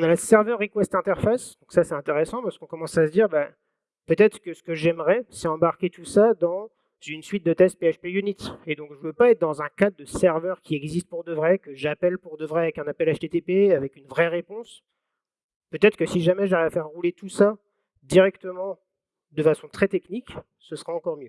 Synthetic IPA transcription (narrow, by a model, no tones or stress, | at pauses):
ɔ̃nalasɛʁvœʁikwɛsɛt̪ɛ̃t̪ɛʁfasd̪ɔ̃ksasɛt̪ɛ̃t̪eʁɛsɑ̃paʁskɔ̃kɔmɑ̃sasəd̪iʁba | pøt̪ɛt̪χə̥kəsə̥kəʒɛmʁɛsɛɑ̃baʁkʲet̪usad̪ɑ̃ | zynsɥit̪̚d̪ət̪ɛst̪̚peaʃpejynit̪ed̪ɔ̃kʒəvøpaɛt̪̚d̪ɑ̃zɛ̃kad̪d̪əsɛʁvœʁkʲiɛɡzist̪̚puʁd̪əvʁɛkəʒapɛlpuʁd̪əvʁɛavɛkɛ̃napɛlaʃt̪et̪epeavɛkynvʁɛʁepɔ̃s | pøt̪ɛt̪χə̥kəsiʒamɛʒaʁɛafɛʁːulet̪usa | d̪iʁɛkt̪əmɑ̃ | d̪əfasɔ̃t̪χɛt̪ɛknik | səsχaɑ̃kɔʁmjø